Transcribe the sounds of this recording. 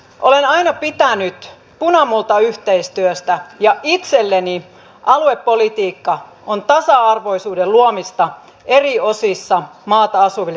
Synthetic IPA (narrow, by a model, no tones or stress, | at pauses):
ʔolenɑinɑpit̪ænyt̪ | punɑmult̪ɑyht̪eist̪yøst̪æjɑʔit̪selːeni | ʔɑluepːolit̪iːkːɑ | ont̪ɑsɑɑrʋo̞isuːdeluomist̪ɑ | ʔeriosisːɑmɑːt̪ɑɑsuʋil